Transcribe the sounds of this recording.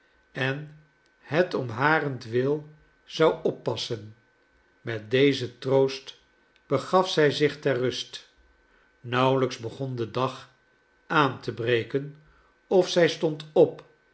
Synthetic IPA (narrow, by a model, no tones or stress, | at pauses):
ɛn | hətɔmɦaːrəntʋɪlˠ | z̥ɑwɔpːɑsən | mɛt̚dejzətrowst | b̥əχɑfsɛjzɪχtɛɹrːɵst | nʌwləkzbəχɔndədɑχ | ʔaːntəbrejkən | ɔfsɛjstɔntɔp